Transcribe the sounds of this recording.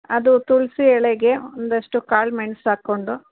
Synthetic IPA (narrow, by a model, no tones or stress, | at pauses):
ɐd̪ut̪uɭsiɛɭeɡe̞ond̪ɐʂʈukaːɭmeɳɐsaːko̞ɳɖu